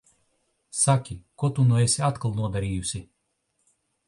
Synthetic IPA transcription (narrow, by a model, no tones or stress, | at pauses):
sakʲikɔt̪unɔɛsʲat̪kalˠnuɔd̪aɾiːjusʲi